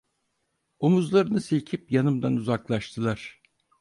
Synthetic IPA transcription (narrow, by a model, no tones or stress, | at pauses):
omuzlˠaɾɯnɯsilʲcʰipjanɯmd̪anuzaklˠaʃt̪ʰɯlˠaɾ̥